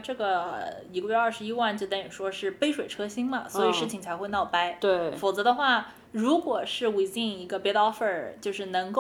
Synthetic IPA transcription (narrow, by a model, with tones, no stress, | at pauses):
ʈ͡ʂɤ˥˩ɡə˩i˧˥kə˧ɥɛ˥˧ɐ˞˥˩ʂɻ̩˧˥i˥wa˥˩nt͡ɕjo˥˧ʊt̪a˥ny˨˩ʂwɔ˥ʂɻ̩˥˩pe˥ɪʂwe˨˩ɪʈ͡ʂʰɤ˥ɕi˥ŋlɐ̰˨swɔ˧˥i˨˧˩ʂɻ̩˥˩t͡ɕʰi˨˩ŋt͡sʰa˧˥ɪxwe˥˧ɪnɑ˥˩ʊpa˥ɪt̪we˥˩ɪfo˨˩ʊt͡sɤ˧˥d̪ə˧xwa˥˩ | ɻu˧˥kwɔ˨˩ʂɻ̩˥˩we˥˧˥ɪt͡ɕi˥˩ŋi˧˥ɡə˧pɛ˧˥t̪ɑ˥fə˨˩t͡ɕjo˥˧ʊʂɻ̩˥˩nɤ˧˥ŋko˥˩